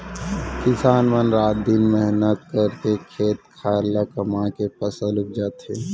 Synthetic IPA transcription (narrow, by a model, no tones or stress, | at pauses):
kɪsaːnmənɾaːt̪̚d̪inmɛɦnət̪̚kɐɾkekʰeːt̪̚kʰaːɾlakɐmãkepɐsəlʊk̚d͡ʒaːt̪eː